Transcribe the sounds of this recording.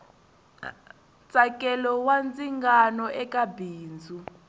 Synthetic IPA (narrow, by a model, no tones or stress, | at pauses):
t͡sʼakʼɛlɔwand͡ziŋɡanɔʔɛkʼabiːnd͡zʱu